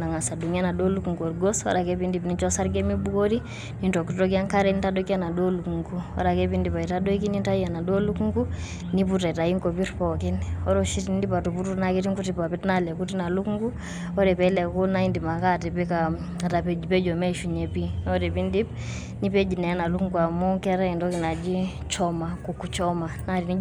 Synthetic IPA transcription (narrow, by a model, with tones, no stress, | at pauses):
na˨ŋa˨sa˨du˨ŋa˦na˨do˦lu˦ku˨ŋko˨ɾɡo˦swa̰ɾa˨kepindi˨pnit͡ʃɔ˦sa˦ɾɡe˦mi˦bu˦ko˦ɾi | ninto˨kitok̬i˦a˦ŋka˦ɾɛ˦nitadoki˦a˦na˨do˦lu˨kuŋkuwa̰ɾa˨ke˦pi˦ndi˨pa˨i˨tado˦i˦ki˦ni˦nta˦ia˨na˨do˦lu˦ku˦ŋku˦ | ni˦puta˨ita˨i˦ŋko˨pi˦ɾpɔ˨ki˦nɔ˦ɾɔ˦ʃi˦tni˦ndi˦pa˨tu˨pu˦tu˦na˦ke˦ti˦ŋku˦ti˨pa˨pi˦tna˦lɛ˨ku˦ti˦na˨lu˦ku˦ŋɡu˦ | ɔ˦ɾɛ˨pɛ˨˦lɛ˨ko˦na˦i˦ndi˨ma˨ka˦tɛ˨pɛ˦ka˨ | a˨ta˨pe˨˦d͡ʒi˨pɛ˦d͡ʒɔ˨mɛ˦ʃu˨ɲe˨pi˦nɔ˦ɾɛ˨pi˦ndi˦p̚ | ni˦pe˦d͡ʒi˨nɛ˨ja˦na˨lu˦kuŋɡu˨a˨mɔ˦ŋkɛ˦ɾa˦i˨ntɔ˦ki˨na˨d͡ʒi˦ | t͡ʃɔ˦ma˨ku˨ku˨t͡ʃɔ˦ma˨na˦ɾi˨ni˦